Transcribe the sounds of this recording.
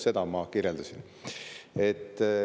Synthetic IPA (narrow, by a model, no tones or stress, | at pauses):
se̞d̪̥ɑmɑkiɾjeld̪usin | e̞t̪ː